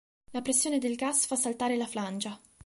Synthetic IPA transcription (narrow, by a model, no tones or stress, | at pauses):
lapɾesːjoːned̪elɡasfasːalt̪aːɾelafland͡ʒa